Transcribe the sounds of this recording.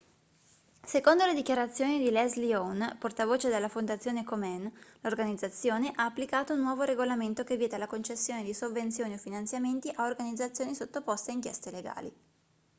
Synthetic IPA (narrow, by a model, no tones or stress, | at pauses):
sekond̪oled̪ikjaɾat̪sːjoːnid̪ilɛzlionport̪avoːt͡ʃed̪elːafond̪at̪sjoːnekomɛnlorɡanid̪zat̪sːjoːneʔaːpːlikaːt̪ounːwɔːvoɾeɡolament̪okevːjɛːt̪ealakont͡ʃesːjoːned̪isovːent̪sjoːniofinant̪sjament̪iʔaorɡanid̪zːat̪sːjoːnisot̪ːopost̪eaiŋkjɛ̰st̪eleɡa̰ːlḭ